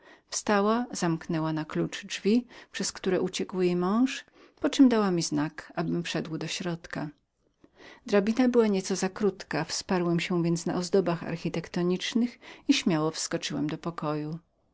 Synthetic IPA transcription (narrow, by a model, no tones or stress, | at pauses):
fst̪awaz̥amknɛwanaklut͡ʂd͡ʐvʲipʂɛskt̪uɾɛʔut͡ɕɛkwjejmɔ̃w̃ʂ | pɔt͡ʂɘmd̪awamʲiznakabɘmfʂɛd̪wd̪ɔɕɾɔt̪ka | d̪ɾabʲinabɘwaɲɛt̪sɔzakɾut̪kafspaɾwɛmɕɛ̃vʲjɛnt̪sna̰ʔɔzd̪ɔbaxa̰ɾxʲit̪ɛkt̪ɔɲit͡ʂnɘxiɕmʲawɔfskɔt͡ʂɘwɛmd̪ɔpɔkɔju